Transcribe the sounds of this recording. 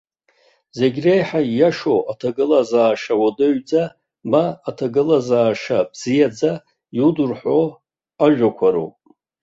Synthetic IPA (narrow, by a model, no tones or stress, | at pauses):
ze̞ɡʲrejħajaʂoatʰaɡɨlazaːʂawodɨɥd͡za | maːtʰaɡɨlazaːʂabz̥ijad͡za | judurħʷo | aʒᶣʷakʷʰaɾo̰